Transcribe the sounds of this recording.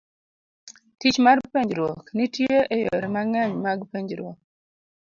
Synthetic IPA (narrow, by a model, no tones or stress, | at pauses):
tit͡ʃmarpeɲd͡ʒɾwɔknitjeʔejo̰ɾɛmaŋɛɲmaɡpeɲd͡ʒɾwɔ̰k̚